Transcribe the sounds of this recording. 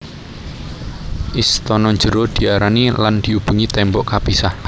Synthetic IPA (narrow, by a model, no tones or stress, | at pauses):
ʔist̪ɔnɔɲd͡ʒəɾod̪̥i̤aɾaniland̥̪iub̥ṳŋit̪ɛmbɔʔkabisah